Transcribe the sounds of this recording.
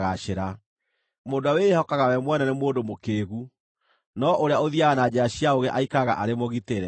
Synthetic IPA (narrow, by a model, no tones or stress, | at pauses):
ɣaʃeɾa | moːndoawehɔkaɣawɛmwɛnanemoːndomokeːɣu | nɔʔoɾeaoðiaɣanad͡ʑaɕiaoɣeʔaikaɣa̰ʔaɾemoɣiteɾɛ